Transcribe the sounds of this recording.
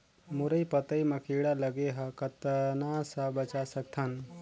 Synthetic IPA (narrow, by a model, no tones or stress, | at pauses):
mʊɾəipɐt̪əimɐkʰiːɽalɐɡeɦɐkɐt̪ənasɐbɐt͡ʃasɐk̚t̪ʰan